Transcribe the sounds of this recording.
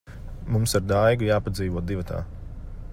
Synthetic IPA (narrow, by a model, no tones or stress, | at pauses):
mumsaɾd̪ajɡujaːpad̪ziːʋuɔd̪ivat̪ʰa̰ː